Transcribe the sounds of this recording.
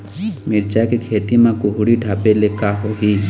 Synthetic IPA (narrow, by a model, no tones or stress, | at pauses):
miːɾt͡ʃaːjkekʰeːt̪imãkʊɦuɽiɖʱaːpeleːkaɦoɦiː